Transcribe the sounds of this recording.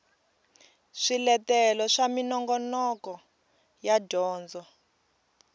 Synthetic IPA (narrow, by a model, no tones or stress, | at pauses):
ʂilɛtɛlɔʂaminɔŋɡɔnɔkɔ | jadʱɔːnd͡zɔ